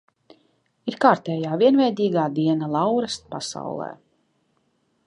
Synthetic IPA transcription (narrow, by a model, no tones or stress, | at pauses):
iɾkaːɾt̪ɛːjaːviɛnvɛjd̪iːɡaːd̪iɛnalˠawɾast̪̚pasa̰wlˠɛ̰ː